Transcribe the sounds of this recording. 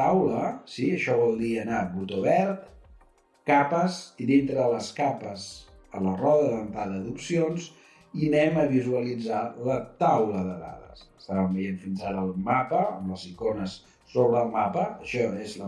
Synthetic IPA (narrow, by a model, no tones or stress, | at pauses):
awləsiəʃɔβɔlˠd̪iənaβut̪oβɛɾt̪ | kapəst̪idint̪ɾəðələskapəz | ələrɔðəðənt̪aðəðupsionz | inɛməβizuəlid͡zalət̪awləðəða̰ðə̰səst̪aβəmbəjeɱfinzaɾəːlˠmapəəmləzikonəsː | oβɾəːlˠmapəəʃɔezlə